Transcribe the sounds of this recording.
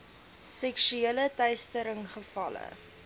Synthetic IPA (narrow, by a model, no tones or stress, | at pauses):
sɛkʃyeːlətœɥstəɾəŋχəfɐlə̰